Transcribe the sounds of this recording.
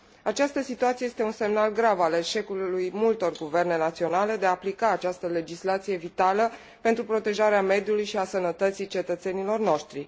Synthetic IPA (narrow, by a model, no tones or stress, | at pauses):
at͡ʃast̪əsit̪uat̪siejet̪eunse̞mnalɡɾavale̞ʃe̞kulujmult̪o̞rɡuve̞rne̞nat̪sio̞nale̞d̪eaːplikaːt͡ʃast̪əle̞d͡ʒislat̪sije̞vit̪alə | pent̪ɾupɾo̞t̪e̞ʒaɾeame̞d̪julujʃiasənət̪ət̪sit͡ʃe̞t̪ət̪se̞nilo̞rno̞ʃt̪ɾi